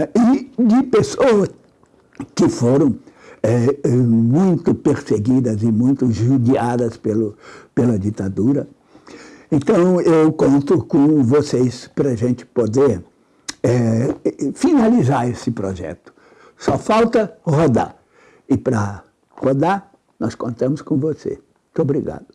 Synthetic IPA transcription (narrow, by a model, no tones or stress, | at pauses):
ɪd͡ʒɪpesoɐs | kɪfoɾɐ̃w̃ɛɛmũj̃t̪ʊpeɾseɡid̪ɐzɪmũj̃t̪ʊʒud͡ʒiad̪ɐspelʊpelɐd͡ʒit̪ad̪uɾɐ | ẽnt̪ɐ̃w̃ewkõnt̪ʊkõvosespɾɐʒẽnt͡ʃɪ̥pod̪eɾ | ɛ | finalizaɾesɪpɾo̰ʒɛ̰t̪ʊ̥ | sɔfawt̪ɐhod̪a̰ | ɪpɾɐ | hod̪aɾ | nɔskõnt̪ɐ̃mʊskõvosḛmũt̪obɾiɡa̰d̪ʊ